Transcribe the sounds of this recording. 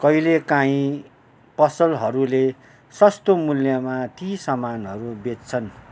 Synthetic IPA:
kʌjlekãĩ | pʌsʌlɦʌɾule | sʌst̪omuljʌmat̪isʌmanɦʌɾubet͡st͡sʰʌn

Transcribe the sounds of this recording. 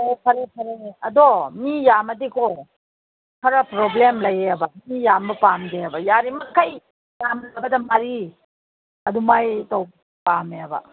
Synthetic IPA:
opʰɐɾepʰɐɾeɐdomijamɐdikɔ | kʰɐɾɐpɾoblemlɐjeɐbɐmijambɐpamɡeɐbɐjaɾimɐkʰːaj | jamlabɐdɐmɐɾi | ɐdumajtɔwb | pameɐbɐ̰

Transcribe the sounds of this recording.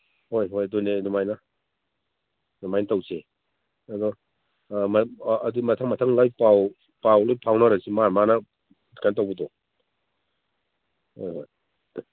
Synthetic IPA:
hojɦojdonenumajnɐ | numajnɐtawse | ɐdɔ | mːdumɐtʰaŋmɐtʰaŋlajpaw | pawlojpʰawnaɾɐsimaɾmanɐ | kʰantawbidɔ | hojɦoj

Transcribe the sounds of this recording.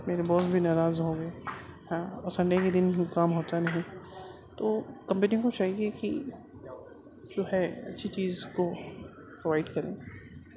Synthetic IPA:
meːɾebɔːsbʱinaːɾaːzɦoːɡɐeɦãːɔːɾsɐ̃ɳɖeked̪ɪnikaːmɦoːt̪anɐɦĩ | t̪oːkɐ̃mpəniõkot͡ʃaːɦieki | d͡ʒoːɦɛɐ̰tːʃʰit͡ʃiːzko | pɾoʋaːɪɖkɐɾẽː

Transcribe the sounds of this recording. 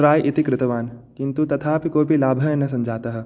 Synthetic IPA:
ɾaːjʔɪt̪ikɾɪt̪ɐʋaːnkɪ̃nt̪ut̪ɐt̪ʰaːpikoːbʱilaːbʱɐnɐsɐ̃md͡ʒʱaːt̪ɐɦ

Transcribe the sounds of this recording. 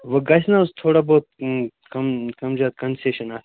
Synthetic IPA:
ʋɐɡɐsnast̪ʰoːɽaboːt̪̚ | kɐmkɐmzjaːt̪̚kɐnseːʃɐnas

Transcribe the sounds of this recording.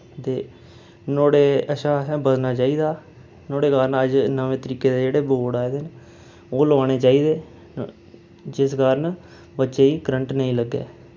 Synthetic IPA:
t̪eː | noːɽeːəʃaːɛ̃bəd̪naːt͡ʃaːiːd̪aː | noːɽeːkaːɾnəd͡ʒnəʋẽːt̪əɾiːkeːd̪eːd͡ʒeːɽeːboːɽaːed̪eːn | oːloːneːt͡ʃaːiːd̪eː | d͡ʒɪsɡaːɾn | bətːʃeːiːkɾəɳʈnəĩːləɡːḛː

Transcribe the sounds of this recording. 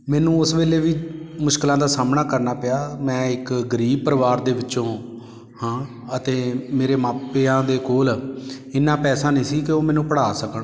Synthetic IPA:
mɛːnũːʊsbeːleːʋiːmʊʃkɪlãːd̪aːsaːmnaːkəɾnaːpɪjaːmɛ̃ːɪkɡəɾiːb̚pəɾʋaːɾd̪eːʋɪːt͡ʃõː | hãː | ət̪eːmeːɾeːmaːpːeːãːd̪eːkoːlɪnːãːpɛːsaːnĩːsiːkɪoːmɛ̃ːnũːpəɽaːsəkəɳː

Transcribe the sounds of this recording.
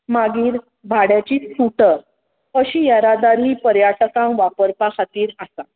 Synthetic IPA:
maɡiːɾ | bʱaɽjat͡ɕiːt͡suʈəɾ | əɕiːjaɾad̪aɾiːpəɾjaʈəkãwʋapəɾpakʰat̪iːɾasa

